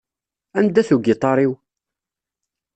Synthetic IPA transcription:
ænd̪æθuɡɪt̪ˤɑɾˤiw

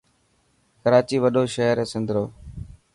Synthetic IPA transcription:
kəɾaːt͡ʃiːʋəɗoːʃəːɾẽːsɪnd̪ɾoː

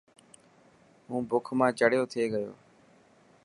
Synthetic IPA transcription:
ɦũːbʊkʰmãːt͡ʃəɽjoːt̪ʰeːɡəjo̰ː

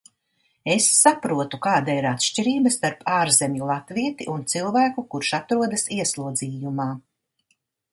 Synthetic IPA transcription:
esːapɾuɔt̪ukaːd̪aiɾat̪ʃcʲiɾiːbɐst̪aɾpʰaːɾzemʲjulˠat̪viɛt̪iʔunt̪silˠvæːkukuɾʃat̪ɾuɔd̪asiɛslˠuɔd̪ziːjumaː

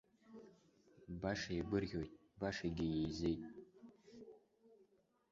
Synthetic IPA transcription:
baʂajiɡʷʊrɣʲojtʼ | baʂaɡʲɪjejzejtʼ

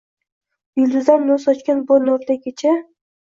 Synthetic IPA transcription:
jʊlˠd̪ɪzd̪anːosɒt͡ʃkʲanbonoɾlakʲet͡ʃʰa

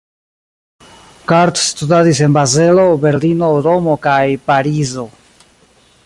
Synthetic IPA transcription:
kaɾtstudadise̞nbazelo̞be̞ɾlino̞ɾo̞mo̞kajpaɾizo̞

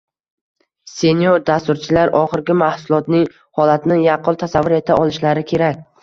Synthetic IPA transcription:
se̞njoɾd̪ast̪ʊɾt͡ʃʰɪlaɾʔɒχɪɾɡʲɪmahsʊlˠɒt̪nɪŋ | hɒlat̪nɪjɑqʰʊlˠt̪ʰasavːʊɾe̞t̪ʰaʔɒlˠɪʃlaɾɪkʲʰe̞ɾakʲ

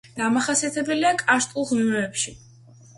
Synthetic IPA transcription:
d̪̥amaχasiat̪ʰɛbɛliakʼaʃt̪ʼulˠʁmimɛːpʃi

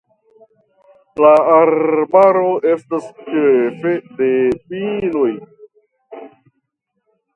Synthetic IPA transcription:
laːɾbaɾo̞e̞stast͡ʃefedepino̞j

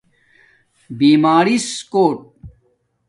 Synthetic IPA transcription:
biːmaːɾiskoːʈ̚

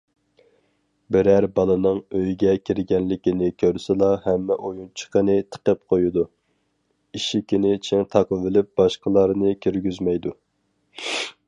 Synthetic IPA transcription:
bɪɾæɾbɑlˠɨnɨŋøjɡʲɛkʲʰiɾɡʲɛnlɪkʲinɪkʲʰøɾsɪlˠɑhɛmːɛʔojunt͡ʃʰə̥qənɨt̪ʰə̥qəp̚qʰojud̪u | iʃikʲinɪt͡ʃʰɪŋt̪ʰɑqvɪlɪp̚b̥ɑʃqəlˠɑɾnɨkʲʰøɾɡʲyzmɛjd̪u

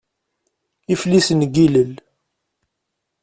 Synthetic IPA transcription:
iflisənɡiləl

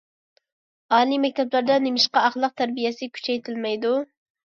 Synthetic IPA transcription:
ɑːlimɛk̚ʲt̪ʰɛplæɾd̪ɛnemɪʃqɑɑχlˠəq̚t̪ʰæɾbijɛsɪkʲʰy̥t͡ʃʰɛjt̪ʰɪlmɛjd̪u

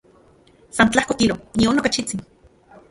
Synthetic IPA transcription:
sant͡ɬahkokiɾonionokat͡ʃit͡sin

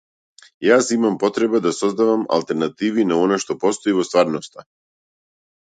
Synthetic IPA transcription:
jasimampɔt̪ɾɛbad̪asɔzd̪avama̰lˠt̪ɛɾnat̪ivinaɔnaʃt̪ɔpɔst̪ɔivɔst̪vaɾnɔst̪a

